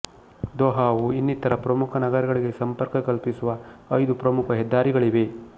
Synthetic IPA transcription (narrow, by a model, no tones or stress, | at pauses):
d̪ɔːɦaːʋuinːit̪ːɐɾɐpɾɐmukʰɐnɐɡɐɾɐɡɐɭiɡe̞sɐmpɐɾkɐkɐlpisuʋɐɐjd̪upɾɐmukʰɐɦɛd̪ːaːɾiɡɐɭiʋe̞